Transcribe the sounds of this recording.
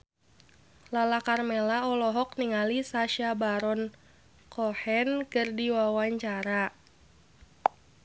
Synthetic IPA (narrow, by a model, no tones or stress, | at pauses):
lalakarmɛlaɔlɔɦɔk̚niŋalisaʃabaɾɔn | kʰɔhɛnkɨrdiwawaɲt͡ʃaɾa